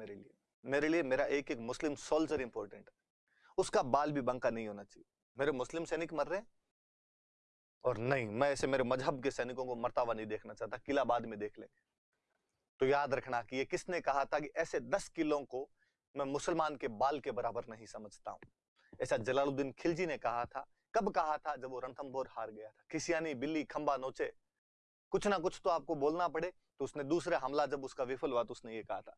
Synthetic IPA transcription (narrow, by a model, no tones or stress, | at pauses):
meːɾelie | meːɾeliemeːɾaʔeːkeːkmʊslɪmsɔːlsəɾɪ̃mpɔːɾʈə̃ɳʈɦɛː | ʊskabaːlbʱibɐ̃ŋkanɐɦĩɦoːnat͡ʃaːɦie | meːɾemʊslɪmsɛːnɪkmɐɾːeɦẽː | ɔːɾnɐɦĩmɛ̃ɛːsemeːɾemɐzɦəbkesɛːnɪkõkomɐɾt̪aːʋanɐɦĩd̪eːkʰnat͡ʃaːt̪akɪlabaːd̪mẽd̪eːkʰlḛ̃ː | t̪ojaːd̪ɾɐkʰnakijekɪsnekɐɦat̪ʰak̬iʔɛːsed̪ɐskɪlõko | mɛ̃ːmʊsəlmaːnkebaːlkebɐɾaːbəɾnɐɦĩsɐməd͡ʒʱt̪a̰ɦṵ̃ː | ɛːsad͡ʒɐlaːlod̪ɪnkʰɪld͡ʒinekɐɦat̪ʰa̰ː | kɐbkɐɦat̪ʰad͡ʒɐbʋoɾɐ̃nt̪ʰəmbʱoːɾhaːɾɡɐjat̪ʰḁkʰɪsijaːnibɪlːikʰɐ̃mbanoːt͡ʃe | kʊt͡ʃʰnakʊt͡ʃʰt̪oaːp̚koboːlnapɐɽ̤e | t̪oʊsned̪uːsɾaɦɐmlad͡ʒɐbʊskaʋɪfʰəlɦoat̪oʊsnejekɐɦat̪ʰaː